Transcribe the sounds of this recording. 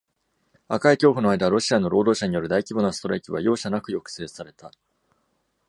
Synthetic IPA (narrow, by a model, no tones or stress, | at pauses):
akaikʲo̞ːɸɯ̟no̞aid̪aβɾo̞ɕiano̞ɾo̞ːd̪oːɕaɲ̟ijo̞ɾɯ̟d̪aikʲibonosɨ̥t̪o̞ɾaikʲiβajo̞ːɕanakɯ̟jo̞kɯ̟̥se̞ːsaɾe̞t̪a